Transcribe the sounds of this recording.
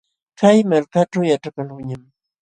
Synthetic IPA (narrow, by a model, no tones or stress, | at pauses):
kajmalkaʈ͡ʂawjaʈ͡ʂakalʊɲam